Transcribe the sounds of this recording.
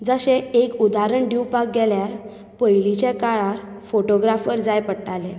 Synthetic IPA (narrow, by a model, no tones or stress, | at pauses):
d͡zəɕeekud̪aɾəɳɖiwpak̚ɡɛljaɾ | pəjlit͡ɕekaɭaɾ | foʈoɡɾafʋəɾd͡zajpəɽʈale